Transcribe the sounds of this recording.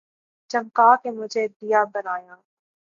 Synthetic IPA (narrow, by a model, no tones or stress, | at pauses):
t͡ʃɐ̃ŋkaːkemʊd͡ʒʱed̪ijabɐnaːjaː